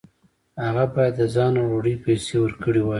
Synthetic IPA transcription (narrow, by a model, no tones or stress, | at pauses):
haɣabɑjad̪ːəzɑnoɾoɽəpejsewəɾkəɽiwɑi